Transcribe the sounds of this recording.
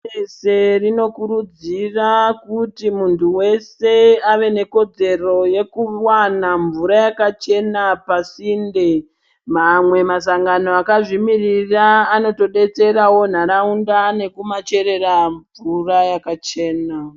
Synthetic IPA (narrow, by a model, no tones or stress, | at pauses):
ese̞rino̞kuɾud͡zirakutimuntʰuwe̞se̞aʋe̞ne̞ko̞d͡ze̞ro̞je̞kuwanaɱvuɾajakat͡ʃe̞napasiːnde | mamwe̞mas̬aŋɡano̞akaʐimiriraːno̞to̞ɗe̞t͡se̞rawo̞n̤aɾaundane̞kumat͡ʃe̞ɾe̞raɱvurajakat͡ʃe̞ːna